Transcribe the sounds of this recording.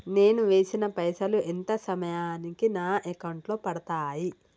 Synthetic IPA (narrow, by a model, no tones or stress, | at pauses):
ne̞ːnuʋe̞ːsinɐpɐjsɐluʔent̪ɐsɐmɐjaːnikinaːʔekɐwɳʈloːpɐɽɐt̪aːji